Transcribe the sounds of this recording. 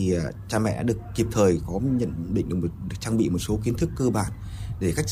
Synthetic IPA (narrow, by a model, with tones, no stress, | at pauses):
i˨˩˨t͡ɕaː˧mɛ̰˧˨ɗa̰ː˧˥ɗək̚ki˨˩p̚t̪ʰəː˨˩jkɔ˨˦ɲə̰˧˨nɗḭ̈˧˨ŋ̟ɗɨ˨˩m̚˨˩ɨ˨˩k̚t͡ɕaː˧ŋɓḭ˧˨mo˨˩t̚so˨˦ki˨˦ənt̪ʰɨ˦˥kːə˧ɓa̰ː˧˨n | ɗe˧˩xa˦˥k̟̚